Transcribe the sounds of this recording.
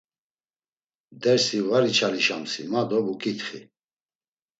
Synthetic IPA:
d̪ɛɾsivaɾit͡ʃʰaliʃamsḭmad̪ɔbukʼit̪χḭ

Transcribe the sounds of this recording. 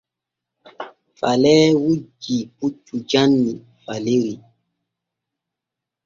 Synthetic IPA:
falɛːwud͡ʒiput͡ʃud͡ʒanːi | faleɾi

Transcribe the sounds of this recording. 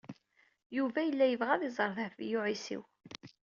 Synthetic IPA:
juvæjəlːæjəvʁæðizˤəɾˤðfḭjʊʕisḭw

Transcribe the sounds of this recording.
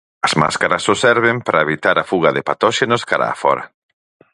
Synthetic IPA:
ɐzma̰skaɾɐsosɛɾβempɾaeβit̪aɾafuɣɐðepat̪ɔʃenoskaɾa̰ːfɔ̰ɾɐ

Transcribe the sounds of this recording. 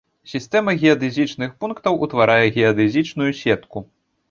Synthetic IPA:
sʲist̪ɛmɐɣʲiɐd̪ɨzʲit͡ʂnɨxpunkt̪ɐwʔut̪vaɾʔajɛɣʲiɐd̪ɨzʲit͡ʂnujusʲɛt̪ku

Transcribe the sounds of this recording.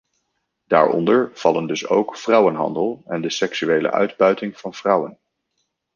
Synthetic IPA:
d̥a̰ːɹɔ̰ndəɹv̥ɑləndɵso̰wkfrʌwənɦɑ̰ndəlˠɛndəsɛksyʋejlə̰ʔœ̰ɥdbœɥtɪŋv̥ɑnv̥rʌwən

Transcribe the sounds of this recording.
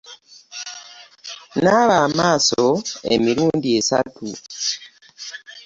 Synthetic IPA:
naβamaːsoe̞̰miɾuːndie̞sa̰tṵ

